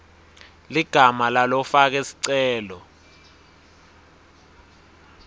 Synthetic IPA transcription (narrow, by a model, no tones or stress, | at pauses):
liɡ̥ʱamalalɔfak̬esi̥ǀɛːlɔ